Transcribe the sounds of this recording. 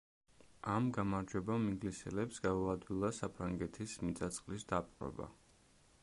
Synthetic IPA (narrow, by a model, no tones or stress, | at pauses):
amɡamaɾd͡ʒwɛbamiɡlisɛ̰lɛpsɡaɔad̪wilˠasapʰɾaŋɡɛt̪ʰismit̪sʼat̪sʼqʼlisd̪apʼqʼɾɛ̰ba̰